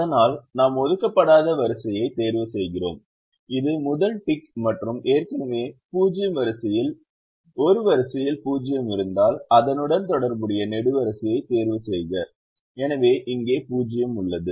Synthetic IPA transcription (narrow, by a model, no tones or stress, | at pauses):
ɐɐðɐnaːlnaːmɔðɯkːɐpːɐɽaːðɐʋɐɾɯsɐjɐɪt̪eːɾʋɐsɛjɣɪro̰ːm | ɪðɯmʊðɐlʈɪkmɐʈrɯmeːrkɐnɐʋeːpuːd͡ʒɪjɐmʋɐɾɐsɐjɪl | ɔɾɯʋɐɾɐsɐjɪlpuːd͡ʒɪjɐmɪɾɯnd̪aːlɐðɐnɯɽɐnt̪ɔɽɐɾbɯɽɪjɐnɛɽɯʋɐɾɐsɐjɐɪt̪eːɾʋɐsɛjɣɐ | ɛnɐʋeːʔɪŋɡeːpuːd͡ʒɪjɐmʊɭːɐðɯ